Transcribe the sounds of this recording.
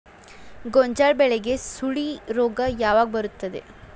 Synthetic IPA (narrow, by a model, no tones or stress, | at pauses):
ɡɔɲd͡ʒaːɭbɛɭɛɡe̞suɭiɾoːɡɐjaːʋaːɡbɐɾut̪ːɐd̪e̞̰